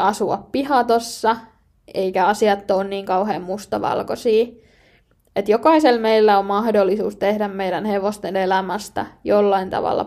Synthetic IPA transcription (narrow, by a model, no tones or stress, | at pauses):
ɑsuɑppihɑt̪osːɑ | eikæɑsiɑt̪ːoːnniːŋkɑuɦḛːmmust̪ɑʋɑ̰lkosiː | et̪jokɑiselmeilːæommɑhdolːisuːst̪ehdæmmeidænheʋost̪enelæmæst̪æ̰jolːɑint̪ɑ̰ʋɑ̰lːɑ̰